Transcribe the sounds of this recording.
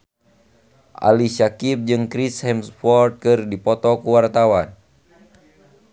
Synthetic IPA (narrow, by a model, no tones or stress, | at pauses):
ʔa̰lisakip̚d͡ʒɨŋkɾishɛmsfɔrt̪̚kɨrdipɔt̪ɔkuwart̪awan